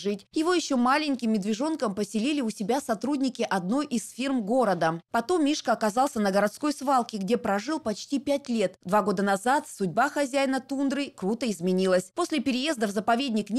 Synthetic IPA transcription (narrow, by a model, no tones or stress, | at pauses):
ʐɨtʲjɪvo̞jɪɕːo̞malʲɪnʲkʲɪmːʲɪd̪vʲɪʐo̞nkəmpəsʲɪlʲilʲɪʊsʲɪbʲasɐt̪ɾudʲnʲɪkʲɪʔɐd̪no̞jʔisfʲirmɡo̞ɾəd̪əpɐt̪o̞mːʲiʂkəɐkɐzɑlˠsʲənəɡəɾɐt̪sko̞jsvalˠkʲɪɡdʲe̞pɾɐʐɨlˠpɐt͡ɕtʲipʲætʲlʲe̞t̪d̪vaɡo̞d̪ənɐzat̪sʊdʲbaxɐzʲæjnət̪und̪ɾɨjkɾut̪əɪzmʲɪnʲilˠəsʲpo̞sʲlʲɪpʲɪɾʲɪje̞zd̪əvzəpɐvʲedʲnʲɪknʲ